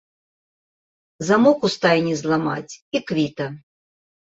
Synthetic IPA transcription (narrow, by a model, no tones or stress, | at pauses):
zamɔkust̪ajʲnʲizlˠama̰t͡sʲikvʲit̪ɐ